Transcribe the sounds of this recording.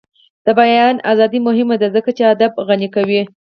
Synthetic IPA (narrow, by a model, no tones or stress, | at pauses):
d̪̥əbajɑnazɑd̪imʊɦɪmad̪azəkat͡ʃead̪ab̚ɣanikawi